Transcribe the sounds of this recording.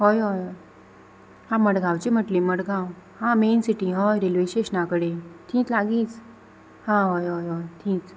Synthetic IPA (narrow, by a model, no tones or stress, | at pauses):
ɦojɦojɦoj | hãməɽɡʱãwt͡ɕim̤əʈliməɽɡʱãwhãmensiʈiɦojɾilʋeɕeɕnakəɽet̪ʰĩːt͡slaɡiːt͡s | hãɦojɦojɦojt̪ʰĩːt͡s